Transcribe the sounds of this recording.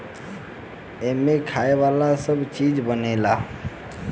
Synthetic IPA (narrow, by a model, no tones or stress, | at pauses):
emekʰaːeʋaːlasəbt͡ʃid͡ʒbənela